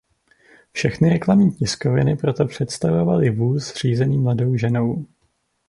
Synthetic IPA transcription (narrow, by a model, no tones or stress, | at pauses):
fʃɛxnɪɾɛklamniːcɪsko̞vɪnɪpɾo̞t̪opr̝̥ɛt̪st̪avo̞valɪvuːsr̝̥iːzɛniːmlado̞wʒɛno̞w